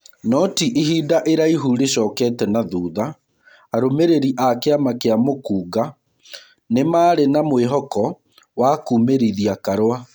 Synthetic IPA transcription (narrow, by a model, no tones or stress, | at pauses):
nɔtiʔiɦiːdaʔeɾaiɦuːɾeɕɔːkɛːtɛnaðuːðaː | ɾomeɾeɾiʔakeamakeamokuːɡa | nemaːɾenamweɦɔkɔ | wakuːmeɾiðiakaɾwa